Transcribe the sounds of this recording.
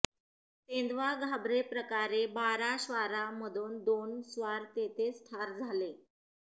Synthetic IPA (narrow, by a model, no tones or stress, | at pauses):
t̪end̪ʋaɡʱabɾepɾəkaɾebaɾaɕʋaɾaməd̪ʱuːnd̪onsʋaɾt̪et̪ʰest̪ʰaɾd͡zʱale